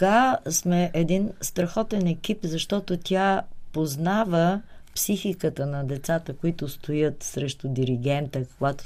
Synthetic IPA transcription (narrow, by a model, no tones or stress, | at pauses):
ɡasmɛʔɛd̪inst̪ɾɐxɔt̪ɛnɛkipzɐʃt̪ɔt̪ot̪ʲʰapoznavəpsixikət̪ənɐd̪ɛt̪sat̪əkoit̪ʊst̪ojət̪sɾɛʃt̪ʊd̪iɾiɡ̟ɛnt̪əkoɡat̪o̥